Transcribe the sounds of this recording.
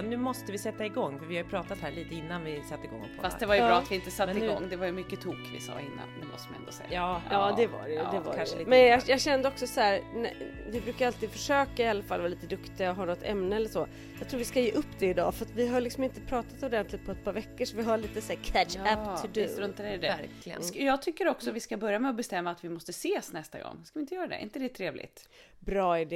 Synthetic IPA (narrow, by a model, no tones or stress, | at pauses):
nːʉ̟ːmɔst̪əvɪsɛt̪ːaɪɡɔŋːfœɾvɪhajʏpʰɾɑːt̪at̪hæːɭiːt̪əɪnːanvɪsat̪ːɪɡɔ̰ŋːpʰɔ̰fast̪d̪ɛvaɾjbɑːat̪vɪɪnt̪əsat̪ːɪɡɔŋːd̪ɛvaɾjɵmʏkːət̪ʰuːkvɪ̰sɑ̰ːɪ̰nːa̰nd̪ɛmɔ̰st̪əma̰ɛ̰nd̪o̰sɛ̰jːɑːʔɑːd̪ɛva̰ɾɛj̪ɛva̰kɾʰanʂmɛnjɑjɑːɡɕɛnd̪əɔksɔshæːɾn̰ | vɪbɾʉ̟ːkaɾalt̪iːd̪fœʂøːkaɪalːafalːvaːliːt̪əd̪ɵkt̪ɪaɔɦaɳɔt̪ʰːɛ̰mnəɛlːəʂɔ | jɑːɡt̪ʰɾuːvɪskajeːʔɵpːd̪ɛɪd̪ɑ̰ːfœɾat̪vɪɦaɾɭɪksɔmɪnt̪əpʰɾɑːt̪at̪ɔd̪ɛnt̪ʰlɪɡ̚t̪pʰɔɛt̪̚pʰɑːɾvɛkːəʂɔvɪɦaɭiːt̪əsæːkʰæʃæp̪ʰːɖʉsɾɵnt̪adɛd̪ɛɾklɪɡə̰jɑːɡ̚t̪ʰʏkːəɾɔksɔvɪskabœɾjamɛɔbɛst̪ɛmːaːt̪vɪmɔst̪əseːsnɛst̪a̰ɡɔ̰ŋːskavɪnt̪əjœːɾad̪ɛ̰ʔɪ̰nt̪əd̪ɛt̪ʰɾeːvlʔɪ̰t̪ | bɾɑːɪɖɛ